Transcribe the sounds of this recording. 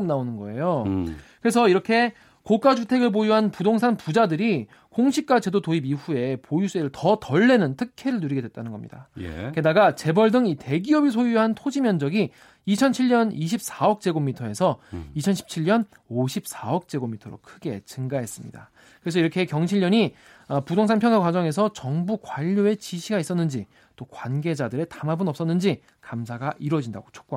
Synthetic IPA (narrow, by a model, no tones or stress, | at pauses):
mnaonɯnɡʌ̰e̞̰jokɯɾe̞sʰʌiɾʌkʰe̞ | kok͈ad͡ʑutʰe̞ɡɯɭp̬ojuɦanpudoŋsʰanpud͡ʑadɯɾi | koŋɕʰik̚k͈at͡ɕe̞dotoibiɸue̞pojus͈eɾɯɭtʌtʌɭːe̞nɯntʰɯkʰe̞ɾɯɭnuɾiɡe̞dwet͈̚anɯnɡʌmɲḭda̰j̰ke̞daɡat͡ɕe̞bʌɭdɯŋite̞ɡiʌbis̬ʰojuɦantʰod͡ʑimjʌnd͡ʑʌɡiː | t͡ɕʰʌnt͡ɕʰiɭɲʌniɕ̬ʰip̚s͈aʌk̚t͡ɕ͈e̞ɡomitʰʌe̞sʰʌit͡ɕʰʌnɕʰi̥p̚t͡ɕʰiʎɲʌn | oɕʰip̚s͈aʌk̚t͡ɕ͈e̞ɡomitʰʌɾo̰kʰɯɡe̞t͡ɕɯŋɡaɦe̞s͈ɯmɲḭda | kɯɾe̞s̬ʰʌiɾʌkʰe̞kjʌŋɕʰiʎːʌɲi | ʌpudoŋsʰaŋpʰjʌŋɡakwad͡ʑʌŋe̞s̬ʰʌt͡ɕʌŋbukwaʎːoe̞t͡ɕiɕʰiɡais͈ʌnːɯnd͡ʑi | t͈okwanɡe̞d͡ʑadɯɾe̞tamabɯnʌp̚s͈ʌnːɯnd͡ʑi | kams̬ʰaɡaʔiɾʌd͡ʑinda̰ɡot͡ɕʰo̥k̚k͈